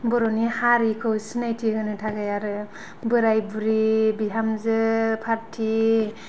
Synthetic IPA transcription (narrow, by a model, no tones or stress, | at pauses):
bɔɾɔnihaɾikʰɯwsinajtʰiɡɯnɯtʰaɡajaɾɯ | bɯɾajbuɾibiɦamzɯpʰaɾtʰi